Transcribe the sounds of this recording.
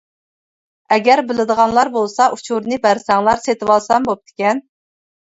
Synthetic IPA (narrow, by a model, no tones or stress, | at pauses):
ɛɡʲɛɾbɪlɪd̪əʁɑnlˠɑɾbolˠsɑʔut͡ʃʰuɾnɨbæɾsɛŋlˠɑɾset̪ɨwɑlˠsɑmbop̚t̪ʰɪ̥kʲɛn